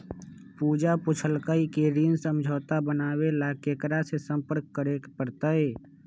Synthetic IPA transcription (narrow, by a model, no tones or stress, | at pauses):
puːd͡ʒapʊt͡ʃʰəlkaikeɾiːnsəmd͡ʒʱoːt̪abənaːwelaːkeːkɾasesə̃mpəɾkːəɾekpəɾt̪əeː